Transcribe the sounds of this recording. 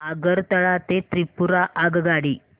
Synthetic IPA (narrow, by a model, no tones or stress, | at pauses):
aɡəɾt̪əɭat̪et̪ɾipuɾaʔaɡɡaɽiː